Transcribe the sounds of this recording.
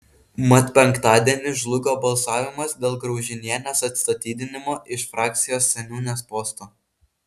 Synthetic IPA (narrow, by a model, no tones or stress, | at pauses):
mɐt̪pʲɛŋkt̪ɑːd̪ʲiɛnʲɪʒlˠʊɡʲoːbɐlˠsɑːʋʲɪmɐsd̪ʲeːlˠɡɾɒʊʒʲɪnʲiɛnʲɛsɐt̪st̪ɐt̪ʲiːd̪ʲɪnʲɪmoːʔɪʃfɾɑːk̚t̪sʲɪjoːsːʲɛnʲuːnʲespɔːst̪oː